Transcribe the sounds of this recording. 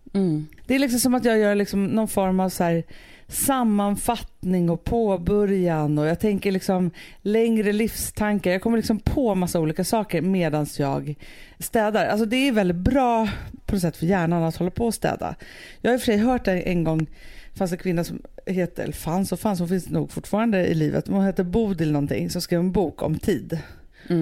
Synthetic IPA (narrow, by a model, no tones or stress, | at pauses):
m̩ːd̪̥ɛæɾlɪksɔmsɔmat̪jɑːɡjœːɭɪksɔmnɔnfɔɾmavsæːɾ | samːanfat̪nɪŋɔpʰoːbœɾjanɔjɑːɡ̚t̪ʰɛŋkəɭɪksɔmlɛŋɾəlɪfst̪ʰaŋkaɾjɑːɡkʰɔmːəɭɪksɔmpʰɔmasːauːliːkasɑːkəɾmeːd̪ansjɑ̰ːɡst̪ɛːd̪aɾalsɔd̪ɛæɾvɛlɪt̪̚bɾɑːpʰɔnɔsɛt̪ːfœɾjæːɳanat̪hɔlːapʰɔːst̪ɛ̰ːd̪a̰ | jɑːɡhajʏfœʂɛjɦœːʈ̚d̪ɛʔɛ̰nɡɔŋːfans̬ɛnkʰvɪnːasɔmheːt̪əɛ̰lfansɔfansɔmfɪnsnṵːɡfʊʈːfɑːɾand̪əɪ̰liːvə̰t̪manheːt̪əɾbuːd̪ɪlnɔnt̪ʰɪ̰ŋːsɔmskɾiːvɛnbuːkɔ̰mt̪ʰiːd̪